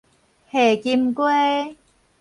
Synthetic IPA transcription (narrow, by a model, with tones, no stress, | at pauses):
heː˨˩ki˧mkwe˥